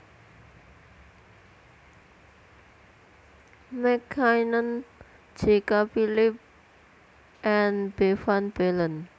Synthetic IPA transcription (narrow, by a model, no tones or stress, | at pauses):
mɛkʰajnən | d͡ʒekapilɪp̚ | ʔɛnbefanbɛlən